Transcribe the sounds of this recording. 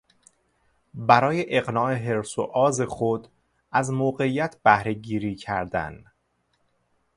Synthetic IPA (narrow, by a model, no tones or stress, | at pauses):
bæɾɒːje̞ʔeɣnɒːʔe̞ɦe̞ɾsoʔɒːze̞xod̪ | ʔæzmoːɢe̞iːjæt̪ʰb̥æhɾe̞ɟiːɾiːcʰæɾd̪æ̰n